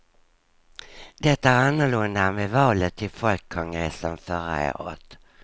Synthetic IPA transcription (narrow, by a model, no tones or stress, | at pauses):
d̪ɛt̪ːaæɾanːəlɵnd̪amevɑːlət̪ʰːɪlfɔlkʰːɔŋɡɾɛsːənfœɾa̰ḛːɾɔ̰t̪